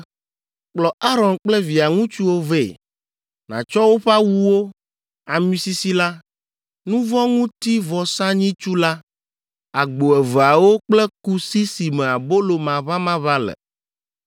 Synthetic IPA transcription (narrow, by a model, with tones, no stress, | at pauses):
k͡plɔ˨ʔa˦ɾɔ̃˨nk͡plɛ˦vi˨a˨ŋũ˦t͡ʃu˦wo˦ve˦˨ | nã̰˨t͡ʃɔ˦wo˦ɸa˦wu˦wo˦ | a˨mĩ˦si˦si˦la˦ | nũ˦vɔ̃˦ŋũ˦t̪i˦vɔ˨sã˦ɲĩ˦t͡ʃu˦la˦ | a˨ɡ͡bo˨ɛ˨va˨wo˦k͡plɛ˦ku˦si˦si˨mẽ˨a˨bo˦lo˨mã˨βa˦mã˦βa˦lɛ̰˨